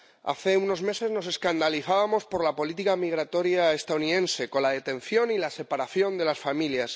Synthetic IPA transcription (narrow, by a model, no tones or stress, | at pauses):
a̰θe̞uno̞zme̞se̞zno̞s̬e̞skand̪aliθaβamo̞spo̞ɾlapo̞lit̪ikamiɣ̞ɾat̪o̞ɾjaest̪auniðe̞nse̞ko̞nlaðe̞t̪ẽ̞n̟θjo̞nilase̞paɾaθjo̞nd̪e̞lasfamiljas